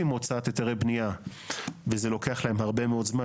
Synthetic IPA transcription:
imot͡saat̪et̪eʁebnia | vezelo̞keaχlaemhaʁbe̞meo̞dzma

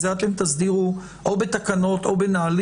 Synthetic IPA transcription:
zat̪emt̪azd̪iʁu | ʔobet̪akano̞t̪o̞benaːl

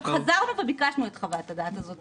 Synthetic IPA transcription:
χazaʁnuve̞bikaʃnuet̪χavaat̪ad̪at̪azo̞tt

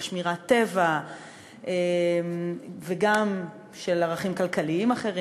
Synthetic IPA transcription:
ʃmiʁat̪e̞va | ʔemveɡam | ʃe̞laʁaχimkalkaliimaχe̞ʁi

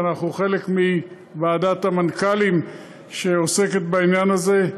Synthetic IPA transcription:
naχuχe̞lekmi | baːd̪at̪amankalim | ʃe̞ose̞ket̪̚bainjanaze̞

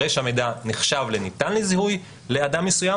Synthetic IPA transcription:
ejʃamejdaniχʃavlenitanlezihuj | le̞adamːesuja

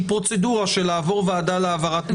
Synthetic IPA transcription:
pʁo̞t͡seduʁaʃelaːvo̞ʁveadaleavaʁat̪m

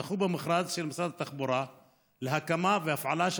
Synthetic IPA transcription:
xubamɪxɾˤɑːd͡ʒʃilmasˤɾˤɑd̪at̪ːaxbuɾˤɑ | lɦakːamavɪafʕalaʃ

